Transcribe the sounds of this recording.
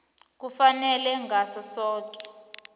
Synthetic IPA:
k̬ufanɛlɛŋasɔsɔːk̬ʼɛ̥

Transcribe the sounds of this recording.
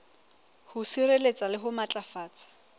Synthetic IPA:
hʊsirelet͡sʼalɪɦʊmat͡ɬʼafaːt͡sʼḁ

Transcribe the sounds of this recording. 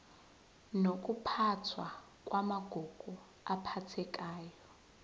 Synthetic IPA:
nok̬ʼupʰatʰwa | kʼwamaɡ̥ʱɔɡ̥ʱɔ | apʰatʰɛk̬ʼaːjɔ

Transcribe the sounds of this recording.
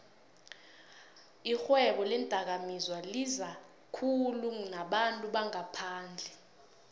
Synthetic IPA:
ixwɛɓɔlɛndʼʱak̬amizwaliza | kʰulunaɓantʼuɓaŋapʰaːnd͡ɮʱɛ

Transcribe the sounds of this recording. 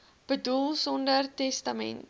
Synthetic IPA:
b̥ədulˠsɔndərtɛstɐmɛ̰nt̚

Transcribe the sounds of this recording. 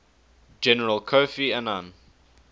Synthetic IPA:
d͡ʒɛnəɹəlˠkʰofianãn

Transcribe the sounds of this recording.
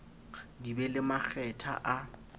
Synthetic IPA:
dibɛlɪmak͡xʰɛtʰa̰ʔa

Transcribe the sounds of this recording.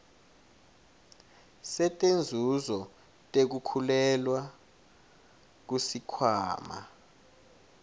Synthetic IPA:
sɛtʼend͡zʱuzɔ | tʼek̬ukʰulɛlwa | k̬usikʰwaːma̰

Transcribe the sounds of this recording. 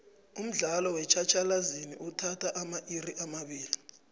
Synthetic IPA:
um̩ɮalɔwɛt͡ʃʰat͡ʃʰalaziniʔutʰatʰaʔamaʔiriʔamaɓiːli

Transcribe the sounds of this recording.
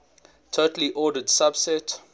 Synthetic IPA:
tʰotəl̩iʔɔdədsab̥sɛt

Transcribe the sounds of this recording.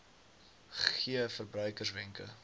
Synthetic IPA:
χiəfərbrœɥkərsvɛŋkə̰

